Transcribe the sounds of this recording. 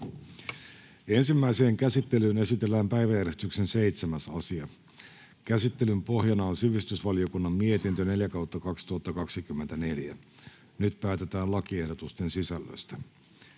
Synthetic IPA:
e̞nsimːæise̞ːŋkæsit̪ːe̞lyːne̞sit̪elːæːmpæjʋæjæɾest̪yksense̞it̪semæsɑsiɑ | kæsit̪ːe̞lympo̞ɦjɑnɑonsiʋist̪ysʋɑlio̞kunːɑmːie̞t̪int̪øne̞ljækɑwt̪ːɑkɑkst̪uhɑt̪ːɑkɑksikymːent̪æne̞ljæ | nyt̪pæːt̪e̞t̪æːlɑkie̞hdot̪ust̪e̞nsisælːø̰st̪æ

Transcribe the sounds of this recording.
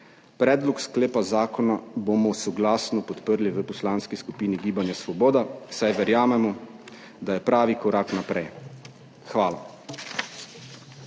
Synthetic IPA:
pɾɛːd̪lɔkskleːpazaːkɔnabomɔsɔɡlaːsnɔpɔt̪pəɾliʋəpɔslaːnskiskupiːniɡiːbanjasʋɔboːd̪asajʋɛɾjaːmɛmɔ | d̪ajɛpɾaːʋikɔɾaːknapɾɛj | xʋaːla

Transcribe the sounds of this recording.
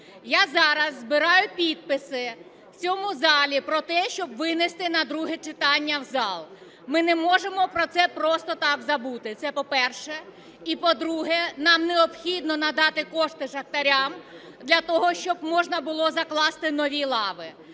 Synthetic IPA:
jazɑɾɐzːbɪɾɑjʊpʲid̪̚pɪsɪ | wt͡sʲɔmʊzɑlʲipɾɔt̪ɛʃt͡ʃɔbʋɪnest̪ɪnɐd̪ɾuɦɛt͡ʃɪt̪ɑnʲːɐwzɑlˠ | mɪnɛmɔʒemɔpɾɔt̪sɛpɾɔst̪ɔt̪ɑkzɐbut̪ɪt̪sɛpɔpɛrʃɛ | ipɔd̪ɾuɦɛnɑmneɔbxʲid̪nɔnɐd̪ɑt̪ɪkɔʂt̪ɪʒɐkt̪ɐɾʲam | d̪lʲɐt̪ɔɦɔʃt͡ʃɔbmɔʒnɐbʊlˠɔzɐklˠɑst̪ɪnɔʋʲilˠɑʋɪ

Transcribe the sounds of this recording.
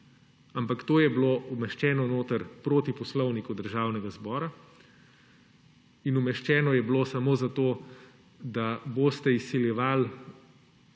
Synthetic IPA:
ampakt̪oːjɛbloumɛʃt͡ʃɛːnɔnoːt̪əɾpɾoːt̪ipɔslɔwnikud̪əɾʒaːwnɛɡazbɔːɾa | inumɛʃt͡ʃɛːnɔjɛbloːsamoːzat̪oː | d̪aboːst̪ɛisːiljɛʋal

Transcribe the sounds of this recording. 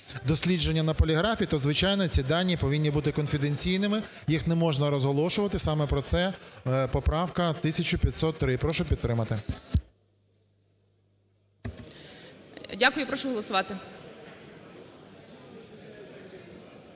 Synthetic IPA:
d̪ɔsʲlʲid͡ʒe̞nʲːɐnɐpɔlʲiɦɾɑfʲiːt̪ɔzʋɪt͡ʃɑjnɔt͡sʲid̪ɑnʲːipɔʋʲinʲːibut̪ɪkɔnfʲid̪enʲt͡sʲijnɪmɪ | jixnɛmɔʒnɐɾɔzɦɔlˠɔʃʊʋɐt̪ɪsɑmɛpɾɔt̪sɛpɔpɾɑwkɐt̪ɪsʲɐt͡ʃʊpʲjɐt̪sɔt̪ːɾɪpɾɔʃʊpʲid̪ːɾɪmɐt̪ɪ | dʲakʊjʊpɾɔʃɔɦɔlˠɔsʊʋɑt̪ɪ

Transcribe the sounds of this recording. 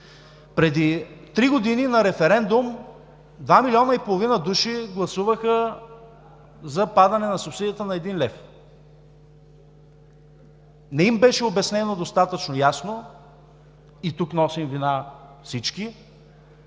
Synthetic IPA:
pɾɛd̪it̪ɾiɡod̪ininɐɾɛfɛɾɛnd̪ʊm | d̪vamilʲiɔnəipolˠovinəd̪uʃiɡlˠɐsuvəxə | zɐpad̪ɐnɛnɐsʊpsid̪ijət̪ənɐɛd̪inlɛf | nɛimbɛʃɛobɛsnɛnod̪ost̪at̪ət͡ʃnojasno | it̪uknɔsimvinafsit͡ʃki

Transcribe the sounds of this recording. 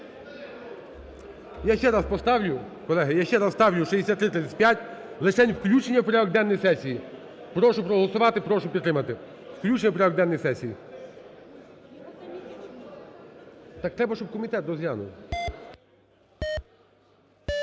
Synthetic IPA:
jaʃt͡ʃɛɾɑspɔst̪ɑwlʲʊ | kɔlˠɛɦɪjaʃt͡ʃɛɾɑsst̪ɑwlʲʊʃizd̪ʲesʲat̪ːɾɪt̪ɾɪt͡s̪ʲsɪt̪̚ʲpjatʲlˠɪt͡ʃɛnʲwklʲut͡ʃenʲːɐwpɔɾʲad̪ɔɡ̚d̪ɛnːɔjisɛsʲiji | pɾɔʃʊpɾɔɦɔlˠɔsʊʋɑt̪ɪpɾɔʃʊpʲid̪ɾɪmɐt̪ɪ | wklʲut͡ʃenʲɐpɔɾʲad̪ɔɡd̪ɛnːɔjsɛsʲiji | t̪ɑk̚t̪ɾɛbɐʃt͡ʃɔb̚kɔmʲit̪ɛt̪dɔzjanʊ̰w

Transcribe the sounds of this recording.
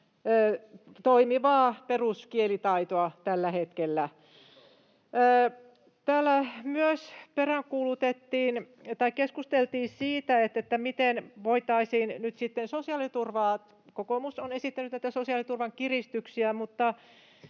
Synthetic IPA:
t̪oimiʋɑːperuskielit̪ɑit̪oɑt̪ælːæhet̪kelːæ | t̪æːlːæmyøsperæŋkuːlut̪et̪ːiːn | t̪ɑikkeskust̪elt̪iːsiːt̪æet̪ːet̪ːæmit̪enʋoit̪ɑisiːnnyt̪sit̪ːensosiɑlit̪urʋɑː | kokomusonesit̪ːænyt̪næit̪æsosiɑlit̪urʋɑŋkirist̪yksiæmut̪ːɑ

